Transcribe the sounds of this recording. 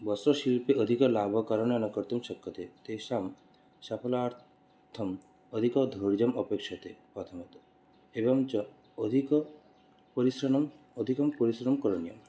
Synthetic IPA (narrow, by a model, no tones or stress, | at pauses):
bɔsɾɔʃilpeod̪ʱikɔlabʱɔkɔɾɔnjɔnɔkɔɾt̪umʃɔkːɔt̪et̪eʃam | ʃapʰɔlɔaɾt̪ | t̪ʰɔm | ɔd̪ʱikɔd̪ʱoɾd͡ʒɔmɔpekʃɔt̪epɔt̪ʰɔmɔt̪u | ebɔmt͡ʃɔː | d̪ʱikɔ | poɾisɾɔnɔm | od̪ʱikɔmpoɾisɾɔnɔmkɔɾɔnijɔ̰m